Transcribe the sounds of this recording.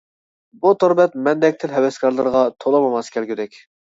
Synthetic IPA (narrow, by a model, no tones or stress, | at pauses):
but̪ʰoɾbɛt̪mɛnd̪ɛk̚ʲt̪ʰɪlɦɛwɛskɑɾlˠəɾəʁɑt̪ʰolˠɑmɑmɑskʲʰɛlɡʲyd̪ɛkʲ